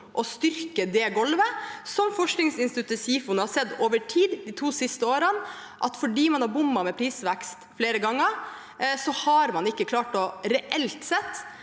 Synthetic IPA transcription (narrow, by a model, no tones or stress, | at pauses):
ʔɔst̪ʏɾkəd̪eːɡɔlʋəsɔmfɔʂknɪŋsɪnst̪ɪt̪ʰʉt̪ːəsiːfʊnəhɑsɛd̪ːoːʋəʈʰiːd̪d̪iːt̪ʰuːsɪst̪əoːɾən | ʔɑt̪fɔɖiːmɑnhɑɾbʊmːɑmɛpʰɾiːsʋækst̪fleːɾəɡɑŋːəɾ | sɔhɑɾmɑnɪkːəkʰlɑːʈɔɾɛʔɛlt̪sɛt̪ː